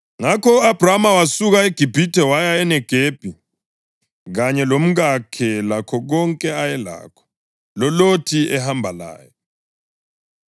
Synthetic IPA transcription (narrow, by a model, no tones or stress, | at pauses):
ŋakʰɔab̥ʱramawasuɣaeɡ̥ʱib̥ʱitʰɛwajaɛnɛɡ̥ʱeːb̥ʱi | ɣaɲɛlom̩ɣakʰɛlakʰɔɣɔŋkʼɛajɛla̰ːkʰɔ̥ | lɔlotʰiɛhambʱala̰ːjɔ